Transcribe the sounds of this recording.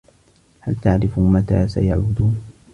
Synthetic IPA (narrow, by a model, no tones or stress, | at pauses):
halt̪aʕɾɪfumat̪a̰ːsa̰ja̰ʕbʊd̪uːn